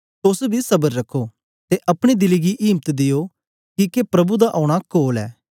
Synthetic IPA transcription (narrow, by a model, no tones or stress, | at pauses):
t̪ʊsbʱisɐbəɾːɐkʰːoː | t̪eʔɐpɽ̃id̪ɪliɡiʔiːmət̪d̪ɪjoː | kikepɾɐbud̪aʔɔːʊɽ̃akoːlɛ̰ː